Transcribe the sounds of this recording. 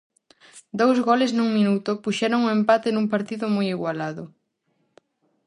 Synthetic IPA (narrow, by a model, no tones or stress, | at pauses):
d̪owzɣɔlesnuŋminut̪ʊpuʃɛɾoŋʊempat̪enuŋpaɾt̪iðʊmojiɣwalaðʊ